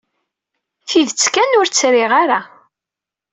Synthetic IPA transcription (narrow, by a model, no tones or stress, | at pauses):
θiðt͡sːkænʊɾt͡sːɾɪʁaɾa